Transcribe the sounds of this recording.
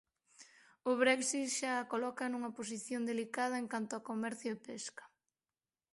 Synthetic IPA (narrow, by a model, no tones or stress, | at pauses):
ʊβɾɛksit̪ʃaːkolɔkɐnuŋɐposiθjond̪elikað̞ɐeŋkant̪ʊakomɛɾθjʊepeskɐ̥